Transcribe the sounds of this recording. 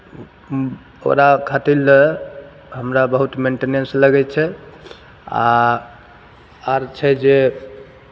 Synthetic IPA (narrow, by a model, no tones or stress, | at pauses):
o̰ɾakʰat̪il | ɦəmɾabəɦut̪meɳʈenẽnsləɡɛt͡ʃʰɛ | a̰ | aɾt͡ʃʰɛd͡ʒe